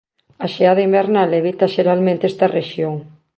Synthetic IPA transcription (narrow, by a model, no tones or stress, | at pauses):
aʃeaðɐimbeɾnaleβit̪ɐʃeɾalmẽnt̪est̪ɐreʃjoŋ